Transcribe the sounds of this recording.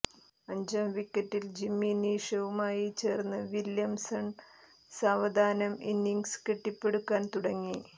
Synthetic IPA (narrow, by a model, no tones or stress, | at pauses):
ɐɲd͡ʑɐmʋikːɐtːild͡ʑimːiniːʂɐʋumaːjit͡ɕe̞ːrnːɨʋiljɐmsɐɳ | saːʋɐd̪ʱaːnɐminːiŋɡskeʈːipːe̞ɽukːaːnt̪uɽɐŋːi